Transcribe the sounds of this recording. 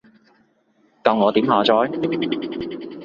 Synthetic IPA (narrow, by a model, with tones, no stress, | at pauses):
kɐ˨˧wŋɔː˨˧t̪iː˨˥mhaː˨˧t͡sɔː˨˥j